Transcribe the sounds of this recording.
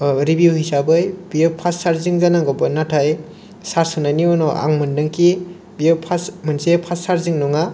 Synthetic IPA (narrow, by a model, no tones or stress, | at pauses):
ɾibuwhisabɯjbiɯpʰassaɾziŋzanaɡɔbɯnatʰaj | saɾsɔnaniɔnɔʔa̰ŋmɯndɯŋki | biɯpʰasmɯnsepʰasaɾziŋnɔŋa